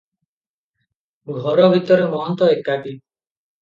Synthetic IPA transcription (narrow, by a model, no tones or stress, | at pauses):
ɡʱɔɾɔbʱit̪ɔɾemɔɦɔnt̪ɔekːaʈi